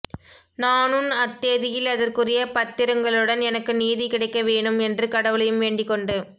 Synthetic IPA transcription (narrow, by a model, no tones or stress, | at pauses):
naːnɯnɐt̪ːeːðɪjɪlɐðɐrkɯrɪjɐpɐt̪ːɪɾɐŋɡɐɭɯɽɐnɛnɐkːɯniːðikɪɽɐɪkːɐʋeːɳɯmɛndrɯkɐɽɐʋɯɭɐjɯmʋeːɳɖɪkːɔɳɖɯ